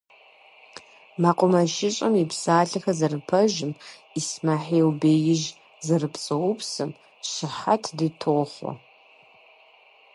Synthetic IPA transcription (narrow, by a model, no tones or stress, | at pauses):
maqʷʼʊmɐʃɪt͡ʃʼɐmipʰsaːɬɐxɐzarɨpʰɐʒɪm | ismaħeːwbejɪʒ | zarɨpʰt͡sʼɐwupʰsɨm | ʃɪħatʰditʰoχʷa̰